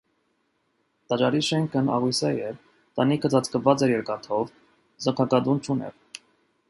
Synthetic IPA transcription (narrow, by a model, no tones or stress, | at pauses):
t̪ɑt͡ʃɑɾiʃɛŋkʰənɑ̰ʁujsɛjɛɾ | t̪ɑnikʰət͡sɑt͡skəvɑt͡sɛɾjɛɾkɑt̪ʰɔv | zəkʰɑkɑd̪unt͡ʃʰunɛ̰ɾ